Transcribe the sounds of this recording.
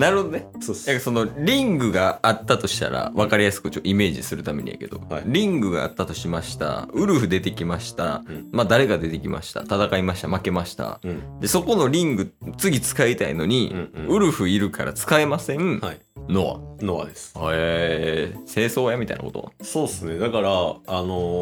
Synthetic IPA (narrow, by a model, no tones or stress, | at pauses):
naɾɯ̟ho̞d̪onesojakːaso̞noɾʲĩŋɡɯ̟ɡaːt̪ːat̪o̞ɕi̥t̪a̰ɾa̰βakaɾʲijasɨ̥kɯ̟t͡ɕoːime̞ːʑḭsɨɾɯ̟t̪ame̞̰ɲ̟ʲḭja̰ke̞d̪o̞ɾʲĩŋɡɯ̟ɡa̰a̰t̪ːat̪o̞ɕimaɕi̥t̪a̰ɯ̟ɾɯ̟ɸɯ̟d̪e̞t̪e̞kʲimaɕi̥t̪a̰mad̪aɾe̞ɡad̪e̞t̪e̞kʲima̰ɕi̥t̪a̰t̪at̪akaimaɕi̥t̪amake̞maɕi̥t̪a̰d̪e̞so̞ko̞no̞ɾʲĩŋɡɯ̟t͡sɨɡʲit͡sɨ̥kait̪aḭno̞ɲ̟ĩɯ̟ɾɯ̟ɸɯ̟iɾɯ̟kʰa̰ɾʔa̰t͡sɨ̥kae̞masẽ̞ai | noβa̰noβa̰d̪esɨ̥e | se̞ːso̞ːjamʲit̪a̰ḭna̰ko̞t̪o̰soːesɨned̪akaɾaano